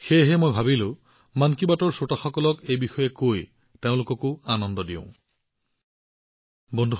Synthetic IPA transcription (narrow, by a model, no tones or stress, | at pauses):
xejɦɛmojbʱabilʊ̃ | mankibatɔɹsotaxɔkɔlɔkejbixɔjɛkoj | teʊ̃lʊkɔkʊanɔndɔdiʊ̰̃ | bɔndʱu